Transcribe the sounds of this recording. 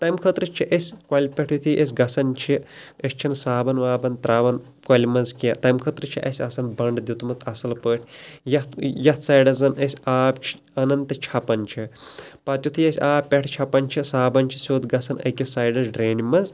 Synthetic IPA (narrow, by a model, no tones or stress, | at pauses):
t̪ɐjmkʰɐt̪ɾɨt͡ʃʰiʔɐsʲkʷɐlʲpʲeʈʰjut̪ʰiʔesʲɡɐsɐnt͡ʃʰiɐsʲt͡ʃʰinsaːbɐnʋaːbɐnt̪ɾaːʋɐn | kɐlʲmɐzkjɐt̪ɐjmkʰɐt̪ɾɨt͡ʃʰiʔɐ̰sʲɐsɐnbɐɳɖd̪ʲit̪umɐt̪ʰɐsɐlpəːʈʲʰjɐt̪jɐt̪saːjɖɐzɐnɐsʲaːbt͡ʃʰi̥ | ɐnɐnt̪ɨt͡ʃʰɐpɐnt͡ʃʰipɐt̪ʲjut̪ʰiɐsʲaːpʲeʈʰt͡ʃʰɐpɐnt͡ʃʰisaːbɐnt͡ʃʰi̥sʲoːd̪ɡɐsɐnɐ̰kʲisaːjɖɐzɖɾeːnmɐz